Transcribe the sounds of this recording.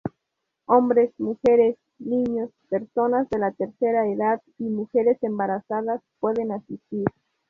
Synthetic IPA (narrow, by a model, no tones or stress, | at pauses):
o̞mbɾesmuxeɾes | nĩɲo̞speɾso̞nazðe̞lat̪eɾseɾaeðað | imuxeɾesembaɾasaðaspwe̞ðenasist̪iɾ